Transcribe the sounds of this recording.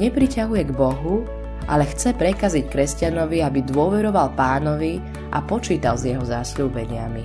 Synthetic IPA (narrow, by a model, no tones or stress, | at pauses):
ɲɛpɾicaɦujɛɡbɔɦu | ʔa̰lɛxt͡sɛpɾɛkazickɾɛscanɔʋiabid̪ʊɔʋɛɾɔʋalpaːnɔʋi | ʔa̰pɔt͡ʃiːt̪alzjɛɦɔzasluːbɛɲɪami